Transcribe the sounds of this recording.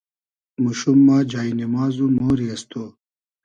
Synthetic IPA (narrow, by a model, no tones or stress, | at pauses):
muɕumːaːd͡ʑaːinimaːzumoːɾiɐst̪ʰoː